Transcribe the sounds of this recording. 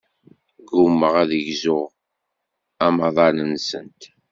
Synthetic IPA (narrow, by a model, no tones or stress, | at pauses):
ɡumːəʁæðəʝzʊʁ | æmɑðˤɑnənsənt̪